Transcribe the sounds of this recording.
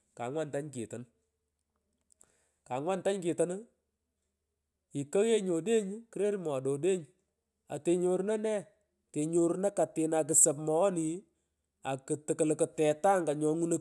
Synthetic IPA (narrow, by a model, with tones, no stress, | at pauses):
ka̰˨ŋwa˦nta˦ɲkḭ˨tə˨n | ka˨ŋwa˦nta˦ɲkɪ˨tə˦n˦ | i˨ka˦ɣe˦ɲo˨de˦ɲki˦ɾe˦ɾmɔ˨do˨de˦ɲ | a̰˨te˨ɲo˨ɾna˦nɛ˦ | te˨ɲo˨ɾna˦ka˨tɪ˨na˨k̬ɨ˨sə˨pmɔ˨ɔ˦ni˨ | a˨kɨ˨tɨ˨kə˨lkə˨tɛ˨ta˦ŋɡa˨ɲɔ˨ŋu˦nə˦